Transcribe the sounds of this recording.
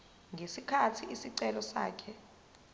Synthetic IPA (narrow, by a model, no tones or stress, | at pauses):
ŋɡʱesikʰatʰiisiǀɛlɔsa̰ːkʰɛ